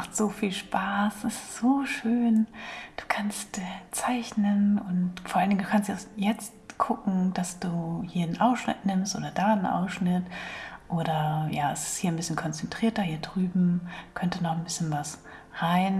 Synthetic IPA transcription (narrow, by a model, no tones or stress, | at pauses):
maχtz̥oːfiːlʃpʰaːsɪsz̥oːʃøːnd̥u̥ːkʰanstːt͡saɪçnənʊntfoːɐʔalndɪŋduːkʰanstɛsjɛt͡stkʰʊkŋ̩d̥asd̥uːhiːɐnʔaʊsʃnɪ̰tnɪmstʔo̰ːdɐdaːnʔa̰ʊsʃnɪtʔoːɾɐjaːɛsɪ̥sthiːɐnbɪsçənkʰɔnt͡sɛntʁ̥iːɐtɐhiːɐdʁyːbm̩kʰœntənɔχnbɪsçənvasʁaɪn